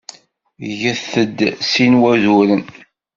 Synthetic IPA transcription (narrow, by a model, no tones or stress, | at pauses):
ʝəθəd̪sinwæðuɾən